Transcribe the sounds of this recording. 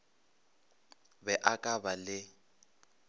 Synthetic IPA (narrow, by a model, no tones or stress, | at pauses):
bɛʔakʼabalɪ